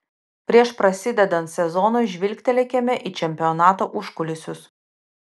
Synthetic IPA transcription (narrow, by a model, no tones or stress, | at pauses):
pʲɾʲiɛʃpɾɐsʲɪd̪ʲɛd̪ɐnt̪sʲɛzɔnoɪʒʲʋʲɪlʲkʲt̪ʲɛlʲɛkʲɛmʲɛʔɪt͡ʃʲɛmʲpʲɪɔnɑːt̪oːʔʊʃkʊlʲʊsʲʊs